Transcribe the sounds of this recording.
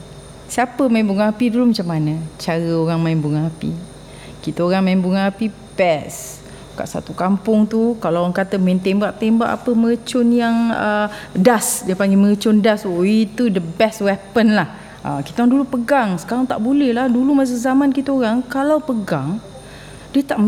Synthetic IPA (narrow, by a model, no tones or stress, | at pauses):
siapəmajmbuŋaapidulumat͡ʃamːanə̃t͡ʃaɾəoɾaŋmaɪnbuŋaapḭ | kit̪aoɾaŋmainbuŋaapi | pɛs | ka̰ʔsa̰t̪ukampʊŋt̪ukalaɣaŋkat̪əmaɪnt̪embaʔt̪embaʔa̰pəməət͡ʃʊnjaŋədasdiəpaŋɡiməət͡ʃʊndasoit̪udəbɛswɛpənlah | ʔa̰ki̥t̪aoɣaŋdulupəɡaŋsə̥kaɾaŋt̪a̰ʔbulɛhlahdulumas̬əzamankit̪aoɾaŋkalawpəɡaŋ | diət̪aʔ